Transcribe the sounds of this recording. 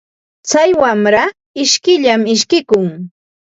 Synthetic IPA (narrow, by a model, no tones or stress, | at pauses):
t͡sajwamɾa | ɪʃkɪʎamɪʃkɪkʊŋ